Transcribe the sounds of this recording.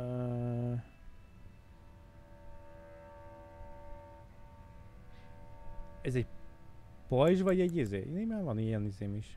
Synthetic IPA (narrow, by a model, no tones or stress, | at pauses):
ø | ɛzɛɟ | pojʒvɒɟɛɟizeːḭneːmæːvɒnijɛnizeːmiʃ